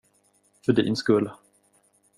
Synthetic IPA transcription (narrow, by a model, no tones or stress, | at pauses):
fœɖḭnskɵlː